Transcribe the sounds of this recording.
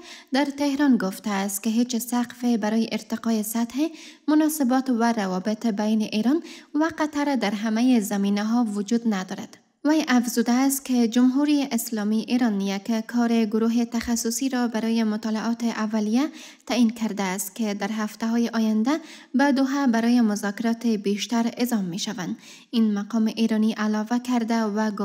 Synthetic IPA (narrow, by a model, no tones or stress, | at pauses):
d̪aɾt̪ehɾɔnɡʊft̪aːst̪̚keɦet͡ʃsaqfebaɾɔjeʔɪɾt̪ɪqɑjesat̪hemʊnɔsɪbɔt̪waɾawɔbɪt̪bajnɪʔiɾɔnwaqat̪aɾd̪aɾɦamajezaminaɦɒwʊd͡ʒud̪nad̪ɔɾa̰d̪̥ | wajʔafzud̪aːst̪̚ked͡ʒʊmɦuɾiʔɪslɔmiʔiɾɔnːijakkʰɔɾeɡʊɾuɦet̪axasʊsiɾɔbaɾɔjemʊt̪ɑlaʔɒt̪eʔavːalija | t̪ainkʰaɾd̪aːst̪̚ked̪aɾɦaft̪aɦɔjeʔɔjand̪a | bad̪ʊɦabaɾɔjemʊzɒkɪɾɒt̪ebeʃt̪aɾɪzɒmːeʃavand̪ | inmaqɒmɪʔeɾɔniʔalɒvakaɾd̪awaɡʊ